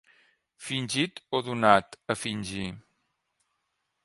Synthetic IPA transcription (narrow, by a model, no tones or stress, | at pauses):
finʲʒit̪oðunat̪əfinʲʒi